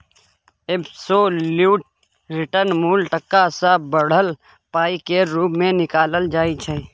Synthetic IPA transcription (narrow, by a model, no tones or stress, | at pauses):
ebsoluːʈ̚ | ɾɪʈəɾnmuːlʈəkːasabəɽ̤əl | paːikeɾuːbmẽnɪkaːləld͡ʒaːit͡ʃʰe